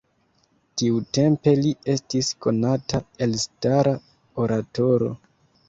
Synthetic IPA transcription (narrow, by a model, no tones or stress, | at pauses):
tiute̞mpe̞lie̞stisko̞natae̞lstaɾa | o̞ɾato̞ɾo̞̰